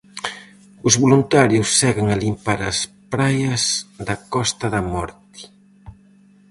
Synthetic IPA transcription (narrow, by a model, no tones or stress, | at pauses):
ʊzβolunt̪aɾjʊsːɛɣeŋalimpaɾɐ̰spɾajɐzðɐkɔst̪ɐðɐmɔɾt̪i̥